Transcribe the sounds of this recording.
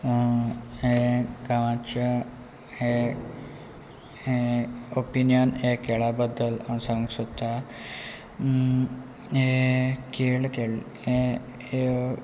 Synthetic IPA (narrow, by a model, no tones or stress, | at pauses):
ɦeɡaʋãt͡ɕa | he | eopinjənekeɭabəd̪ːəlasə̃ŋɡsət̪ːa | ekelkel | e | e